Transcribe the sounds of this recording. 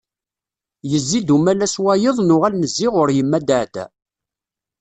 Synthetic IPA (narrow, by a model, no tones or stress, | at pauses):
jəzːid̪umælæswæjəðˤnʊʁælnəzːɪʁʊɾjəmːæd̪aʕt̪æ̰